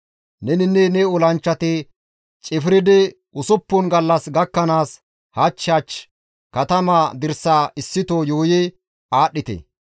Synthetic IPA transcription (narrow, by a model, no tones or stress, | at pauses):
nɛnɪnːɛnɛʊlɐnt͡ʃːɐt̪ɪ | t͡ʃʼɪfɾɪd̪ɪ | ʔʊsʊpːʊnɡɐlːɐsɡɐkːɐnaːs | hɐt͡ʃːaːt͡ʃ | kɐt̪ɐmaːd̪ɪɾsaːʔɪsːɪt̪ojoːjɛ | aːɗːɪt̪ɛ̰